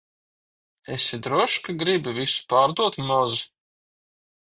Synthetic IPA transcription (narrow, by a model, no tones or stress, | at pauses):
esid̪ɾuɔʃkaɡɾibivisu̥paːɾd̪uɔt̪mɔzu